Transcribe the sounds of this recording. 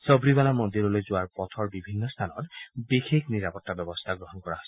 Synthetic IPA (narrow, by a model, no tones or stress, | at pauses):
sɔbɹibalamond̪iɹɔlojzʊaɹpɔt̪ʰɔɹbibʱinːɔst̪ʰanɔtbixekʰniɹapɔtːabjɔbɔst̪ʰaɡɹɔɦɔnkɔɹaɦosɛ̥